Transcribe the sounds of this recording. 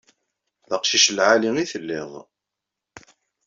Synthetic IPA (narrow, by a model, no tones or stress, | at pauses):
ðəqʃiʃəlʕaliŋiθəlːɪðˤ